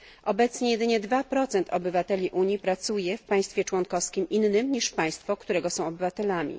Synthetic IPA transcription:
ʔɔbɛt̪sɲɛjɛd̪ɘɲɛd̪vapɾɔt̪sɛnt̪ʰɔbɘvat̪ɛlʲiʔuɲjipɾat̪sujɛfpaj̃st̪fʲjɛt͡ʂwɔnkɔfskʲimʔinːɘmɲiʂpaj̃st̪fɔkt̪uɾɛɡɔsɔ̃w̃ɔbɘvat̪ɛlamʲḭ

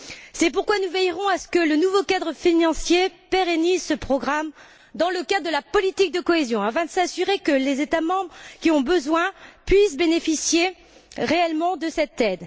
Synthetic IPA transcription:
sɛpuʁkwanuvɛjʁɔ̃asə̥kələnuvokad̪ʁəfinɑ̃sjepeʁenizsəpχɔɡʁam | d̪ɑ̃ləkad̪d̪əlapɔlit̪ik̚d̪əkɔezjɔ̃ãfɛ̃d̪əsasyʁekəlezet̪amɑ̃bʁəkʲiɔ̃bəzwɛ̃pɥisbenefisje | ʁeɛlmɑ̃d̪əsɛt̪ɛd̪

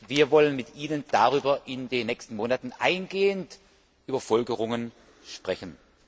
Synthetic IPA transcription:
viːɐvɔlənmɪtʔiːnənd̥aʁyːbɐʔɪndeːnːɛkstn̩moːnatn̩ʔa̰ɪnɡeːənt | ʔyːbɐfɔlɡəʁ̞ʊŋən | ʃpʁ̥ɛçn̩

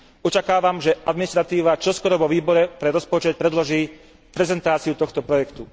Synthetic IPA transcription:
ɔt͡ʃakaːʋamʒɛʔad̪minist̪ɾat̪iːʋat͡ʃɔskɔɾɔʋɔʋiːbɔɾɛpɾɛɾɔspɔt͡ʃɛt̪̚pɾɛd̪lɔʒiː | pɾɛzɛnt̪aːt͡siut̪ɔxt̪ɔpɾɔjɛkt̪u

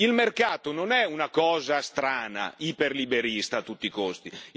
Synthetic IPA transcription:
ilmerkaːt̪ononɛunakɔːzast̪ɾaːna̰iperlibeɾist̪aːt̪ːut̪ːikost̪i

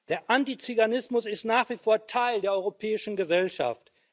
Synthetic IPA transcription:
d̥eːɐʔantit͡syɡanɪsmʊsɪstnaːχv̥ifoːɐtʰaɪldeːɐɔʏʁopʰɛːɪʃn̩ɡəzɛlʃa̰ft

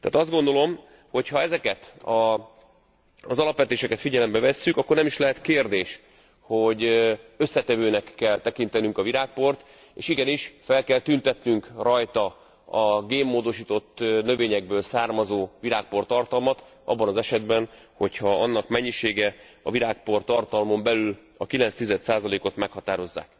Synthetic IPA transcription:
t̪ɛa̰ːt̪ɒzd̪ɡo̞nd̪o̞lo̞m | ho̞chɒɛzɛkɛt̪ɒ | zɒlɒpʋɛt̪eːʃɛkɛt̪fiɟɛlɛmbɛvɛsːykɒkːornɛmiʃlɛɦɛt̪keːrd̪eːʃ | ho̞ɟø̞sːɛt̪ɛvøːnɛkːɛlt̪ɛkint̪ɛnyŋkɒviɾaːk̚po̞rt̪ | eːʃiɡɛniʃfɛlkɛlt̪ynt̪ɛt̪nyŋkrɒjt̪ɒ | ɒɡeːmːoːd̪o̞ʃiːt̪o̞t̪ːnø̞veːɲɛɡ̚bøːlsaːrmɒzoːviɾaːk̚po̞rt̪ɒrt̪ɒlmɒt̪ | ɒ̰bːɒnɒzɛʃɛd̪bɛn | ho̞chɒɒnːɒkmɛɲːiʃeːɡɛ | ɒ̰viɾaːk̚po̞rt̪ɒrt̪ɒlmo̞mbɛlyl | ɒkilɛnst̪izɛt̪saːzɒleːko̞t̪mɛkhɒt̪aːɾo̞zːa̰ːk̚

